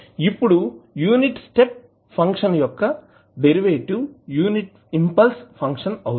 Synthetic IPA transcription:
ipːuɽujuːniʈsʈep̚ | pʰɐŋkʂɐnjɔkːɐ | beɾiʋeːʈujuːniʈ | impɐlspʰɐŋkʂɐnɐwu

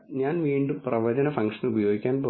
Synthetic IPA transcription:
ɲaːnʋiːɳɖumprɐʋɐd͡ʑɐnɐfɐŋkʂɐnubɐjo̞ːɡikʲːaːnboː

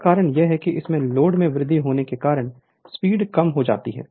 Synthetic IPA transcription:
kaːɾəɽ̃jeɦɛkiʔɪsmẽloːɖmẽʋɾɪd̪ʱːiɦoːnekekaːɾəɽ̃ | spiːɖkɐmɦod͡ʒa̰ːt̪iɦɛ̰ː

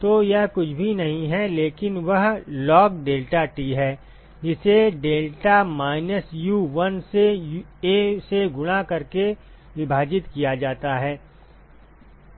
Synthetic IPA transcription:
t̪ojɛɦkʊt͡ʃʰbʱinɐɦĩɦɛleːkɪnʋɐɦlɔːkɖeːlʈaʈiːɦɛː | d͡ʒɪseɖeːlʈamaːɪnəsjuːʋɐnsejeseɡʊɽ̃akɐɾke | ʋɪbʱaːd͡ʒɪt̪kijad͡ʒaːt̪aɦɛː

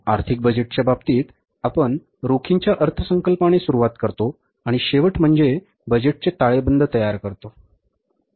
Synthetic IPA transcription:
aɾt̪ʰik̚bəd͡ʑeʈ̚t͡ɕjababt̪iːt̪ | apəɳ | ɾokʰiɲt͡ɕjaʔəɾt̪ʰəsəŋkəlpaɽ̃esuɾuʋat̪kəɾt̪o | aɽ̃iɕeʋəʈm̤əɳd͡ze | bəd͡ʑeʈ̚t͡set̪aɭebənd̪ʱət̪əjaɾkəɾt̪o

